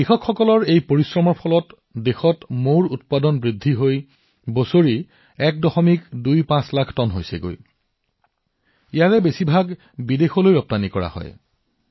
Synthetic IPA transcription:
ixɔkʰxɔkɔlɔɹejpoɹisɹɔmɔɹpʰɔlɔt | dexɔtmoɹut̚padɔnbɹidʱːiɦoj | bosoɹi | ɛk̚dɔxɔmikdujpãslakʰtɔnɦojsɛ̰ɡo̰j | ijaɹɛbesibʱaɡ | bidexɔlojɹɔp̚tanikɔɹa̰hɔ̰j

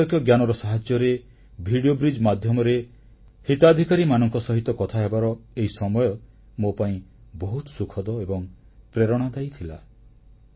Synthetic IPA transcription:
ɔkjɔɡjanɔɾɔsaɦad͡ʒjɔɾe | bʱiɽiobɾid͡ʒmad̪ʱjɔmɔɾe | hit̪ad̪ʱikaɾimanɔŋkɔsɔɦit̪ɔkɔt̪ʰaɦebaɾɔeɦisɔmɔjɔ | mopaĩbɔɦut̪ɔsukʰɔd̪ɔebɔŋ | pɾeɾɔɽ̃ɔd̪ajt̪ʰila̰

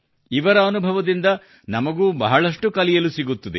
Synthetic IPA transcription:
iʋɐɾɐːnubʱɐʋɐd̪ind̪ɐ | nɐmɐɡuːbɐɦɐɭɐʂʈukɐlijɐlusiɡut̪ːɐd̪e

